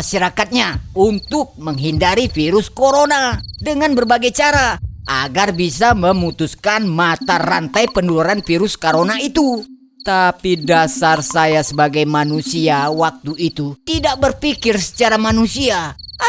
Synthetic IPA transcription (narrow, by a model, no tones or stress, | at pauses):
aʃaɾakat̪̚ɲaunt̪ʊk̚məŋɦindaɾifiɾuskoɾonadəŋanbərbaɡajt͡ʃaɾaʔaɡarbisaməmut̪uskanmat̪arɾant̪ajpəndulaɾanfiɾuskoɾonait̪u | t̪apidasarsajasəbaɡajmanusiawak̚t̪uit̪ut̪idak̚bərpikɪrsə̥t͡ʃaɾamanusia